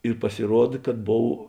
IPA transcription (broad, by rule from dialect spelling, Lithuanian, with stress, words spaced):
ɪr pɐsʲɪˈruɔt kɐt ˈboːw